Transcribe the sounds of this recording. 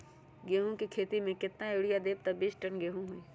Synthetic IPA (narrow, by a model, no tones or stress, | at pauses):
ɡeːɦũkikʰeːt̪imẽkɪt̪naoːɽijad̪eːb̚t̪ɐbisʈənɡeːɦũɦui